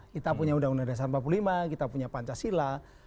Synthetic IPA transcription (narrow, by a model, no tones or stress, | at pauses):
kit̪apuɲaudaunadas̬armpapululimakit̪apuɲapaɲt͡ʃasila